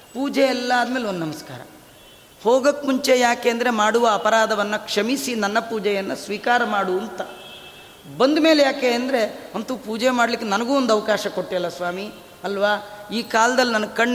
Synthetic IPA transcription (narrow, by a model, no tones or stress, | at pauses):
puːd͡ʒɛɛlːɐːd̪meːleond̪nɐmɐska̰ːɾɐ̰ | hoːɡɐkːmuɲt͡ʃe̞jaːkeːnd̪ɐɾe̞maːɽuʋɐːpɐɾaːd̪ʱɐʋɐnːɐkʂɐmisinɐnːɐpuːd͡ʒɛjɐnːɐsʋiːkaːɾɐmaːɽuɐnt̪ɐ | bɐnd̪ume̞ːlejaːkeɐnd̪ɐɾe̞ɐnt̪uːpuːd͡ʒemaːɽlikːenɐnɐɡuːond̪uɐʋɐkaːʃɐko̞ʈːijɐlːɐsʋaːmi | ɐlʋaːiːkaːlɐd̪ɐlːinɐnːɐkɐɳ